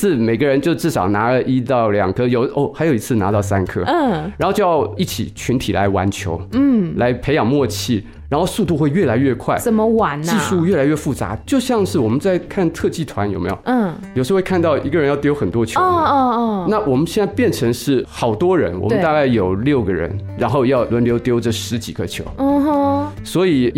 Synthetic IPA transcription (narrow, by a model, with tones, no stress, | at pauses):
ɹ̩˥˩me˨˩ɪɡə˦ɻə˧˥nt͡ɕjo˥˧ʊʈ͡ʂɻ̩˥˩ʂɑ˨˩ʊna˧˥lə˦ʔi˥t̪ɑ˥˩ʊljɑ̰˨˩ŋkʰɤ˥jo˨˧˦ʊo˥˩xa˧˥ɪjo˨˩ʊi˧˥t͡sʰɹ̩˥˩na̰˧˥t̪ɑ˥˩ʊsa˥nkʰɤ̰˥˩ɻa˧˥nxo˥˧t͡ɕo˥˧jɑ˥˧ʊi˥˩t͡ɕʰḭ˨˩t͡ɕʰy˧˥nt̪ʰi˨˩la̰˧˥ɪwa̰˧˥nt͡ɕʰjo̰˧˥ʊ˥˩la˧˥ɪpʰe˧˥ɪjɑ˨˩ŋmwɔ˥˧t͡ɕʰi˥˩ | ɻa˧˥nxo˥˧ʊsu˥˧t̪̬u˥˧xwe˥˧ɪɥɛ˥˩la˧˥ɪɥɛ˥˧kʰwa˥˩ɪə˨˩mə˦wa˨˩nt͡ɕi˥˧ʂu˥˧ɥɛ˥˩la˧ɪɥɛ˥˧fu˥˩t͡sa̰˧˥t͡ɕjo˥˧ʊɕjɑ˥˧ŋʂɻ̩˥˩wɔ˨˩mə˦nt͡sa˥˧ɪkʰa˥˧nt̪ʰɤ˥˧t͡ɕi˥˩t̪ʰwa˧˥njo˨˩ʊme˧˥jo˨˩˥jo˨˩ʂ̩˥we˥˧kʰnt̪ɑ˥˩ʊʔi˧˥ɡə˧ɻə˧˥jɑ˥˩t̪jo˧˥ʊxə˨˩nt̪wɔ˥t͡ɕʰjʊ˥˧˥na˥˩wɔ˨˩mə˦nɕjɛ˥˧nt͡sa˥˧ɪpjɛ˥˩nʈ͡ʂʰɤ˧˥ŋʂɻ̩˥˩xɑ˨˩ʊt̪wɔ˥ɻə̰˧˥nwɔ̰˨˩mə˦˥t̪a˥˧ka˥˩ɪjo˨˩ʊljo˥˩ʊɡə˩ɻə̰˧˥nɻa˧˥nxo˥˧ʊjɑ˥˩ʊlwə˧˥nljo˧˥ʊt̪jo˧˥ʊʈ͡ʂə˨ʂɻ̩˧˥t͡ɕi˨˩ɡə˧˦t͡ɕʰjo̰˧˥ʊ˥˧˩ | swɔ˧˥i˨˩